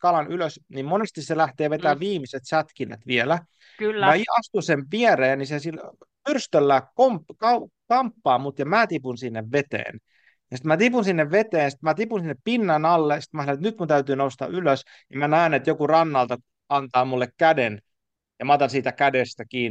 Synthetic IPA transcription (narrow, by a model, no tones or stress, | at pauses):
kɑlɑnyløsnimmonest̪isselæht̪eːʋet̪æːʋʋiːmiset̪sæt̪kinːæ̰t̪ʋielæ | kːjɑiɑst̪usenʋiereːnnisesilpyrst̪ølːæːkomkɑukɑmpːɑːmut̪jɑmæːt̪ipunsinːeʋʋet̪ḛːn | jɑsi̥t̪mæːt̪ipunsinːeʋʋet̪eːnjsi̥t̪mæːt̪ipunsinːeppinːænɑlːesi̥t̪mæsɑnet̪nyt̪̚kunt̪æyt̪yːnoust̪ɑ̰yløs | nimænæːnet̪jokurɑnːɑlt̪ɑ | ɑnt̪ɑːmulːekkæden | jɑmɑːt̪ɑnsiːt̪ækædest̪ækiːn